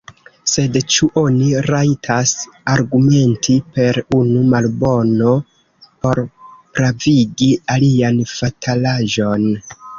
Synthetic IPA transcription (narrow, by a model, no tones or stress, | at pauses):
se̞dt͡ʃuʔo̞niɾaitʰas | aɾɡume̞ntʰipe̞ɾunumalbo̞no̞ | po̞ɾpɾaviɡialianfatʰalaʒo̞n